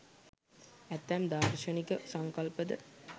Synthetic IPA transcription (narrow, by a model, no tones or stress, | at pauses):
æt̪ːæmd̪aːkʃɐnikəsaŋkɐlpəd̪ə